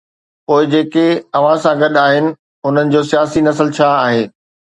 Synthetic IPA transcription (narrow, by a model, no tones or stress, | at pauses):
poːɪd͡ʑeːkeɐʋ̤ãsãɡɐɗaːɦɪnɪ̆ | ʊn̤ənɪ̆d͡ʑoːsijaːsinɐsəlt͡ɕʰaaːɦeː